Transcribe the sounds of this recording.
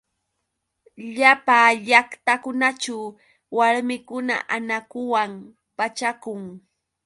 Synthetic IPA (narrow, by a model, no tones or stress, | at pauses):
ʎapaːʎakt̪akʊnat͡ʃaw | waɾmɪkʊna̰ʔanakʊwam | pat͡ʃakʊŋ